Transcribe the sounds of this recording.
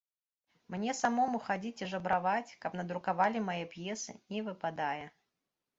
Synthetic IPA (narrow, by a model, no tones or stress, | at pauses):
mnʲɛsamomuxad͡zʲit͡sʲiʐɐbɾʔavat͡sʲkɐpnɐd̪ɾʊkavalʲɪmajɛpjɛsɨ̰nʲivɨpad̪ajɐ